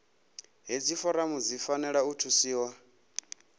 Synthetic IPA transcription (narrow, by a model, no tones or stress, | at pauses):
ɦid͡zifɔɾamud͡zifanɛɺautʰusiːwa